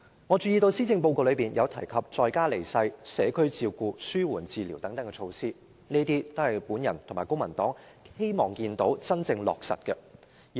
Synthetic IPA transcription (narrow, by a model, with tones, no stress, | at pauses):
ŋɔː˨˧t͡ʃyː˧jiː˧t̪o˧wsiː˥t͡sɪ˧ŋp̬o˧wko˧lɵ˨˧ɥpiː˨˩njɐ˨˧wt̪ʰɐ˨˩jkʰɐ˨p̚t͡sɔː˧jkaː˥le˨˩jsɐ˧jsɛː˨˥kʰɵ˥ɥt͡siː˧wkuː˧syː˥wuː˨˩nt͡siː˧liː˨˩wt̪ɐ˨˥ŋt̪ɐ˨˥ŋkɛ˧t͡ʃʰo˧wsiː˥ | neː˥t̪iː˥t̪o˥whɐ˨˩jpuː˨˥njɐ̰˨˩nt̪ʰo˨˩maː˨˩jkʊ˥ŋmɐ˨˩nt̪ɔː˨˥ŋ | he˥jmɔː˨˩ŋkiː˧nt̪o˨˥wt͡sɐ˥nt͡sɪ˧ŋlɔ̰ː˨k̚sɐ̰˨t̚kɛ˧